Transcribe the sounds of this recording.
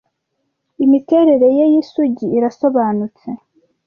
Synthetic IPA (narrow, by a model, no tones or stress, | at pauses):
imite̞ɾe̞ɾe̞jejisuɟiːɾaso̞βaːnut͡se